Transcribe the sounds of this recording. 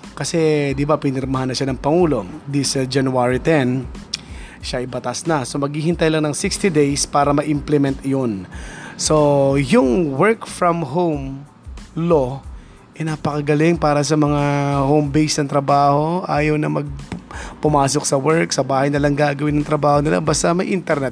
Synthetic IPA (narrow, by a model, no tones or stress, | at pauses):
kɐsɛd̪ɪbapɪnɛɾmɐhanːɐʃanɐŋpɐŋuːlo̞d̪isɐd͡ʒɐnʊaːɹit̪ɛn | ʃaʔɪjbɐt̪asnɐso̞mɐɡ̚hiːhɪnt̪ɐjlɐŋnɐŋsɪkst̪id̪ejspaːɾɐmɐʔɪmplɛmɛnt̪ɪjonso̞jʊŋwɛɹkfɹɐmɦowm | lo̞ | ʔɛnapɐkɐɡɐlɪŋpaːɾɐs̬ɐmɐŋahowmbejsnɐŋt̪ɾɐbaːho̞ʔaːjɐwnɐmɐɡ̚pʊmaːso̞k̚sɐwɛɹksɐbaːhɐjnɐlɐŋɡaːɡɐwɪnːɐŋt̪ɾɐbaːhonɪla̰bast̪ɐmɐjʔɪnt̪ɛɾnɛt̪̚